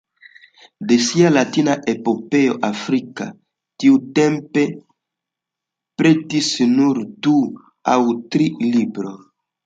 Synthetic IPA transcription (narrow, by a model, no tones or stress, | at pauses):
desialatinaʔepope̞oʔafɾika̰ | tiutempe̞ | pɾetisnuɾdu | awtɾilibɾo